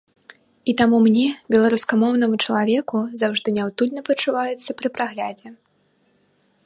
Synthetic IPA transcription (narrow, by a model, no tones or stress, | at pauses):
it̪amumnʲɛbʲɛlˠaɾuskɐmɔwnɐmut͡ʂɐlˠavʲɛkuzawʐd̪ɨnʲawt̪ud̪ʲnɐpɐt͡ʂuvajɛt̪sːɐpɾɨpɾaɣlʲad͡zʲɛ